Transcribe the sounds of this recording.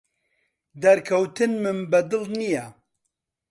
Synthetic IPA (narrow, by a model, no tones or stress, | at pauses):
d̪ɐɾkʰɐwt̪ʰɨnmɨnbɛd̪ɨlnijɛ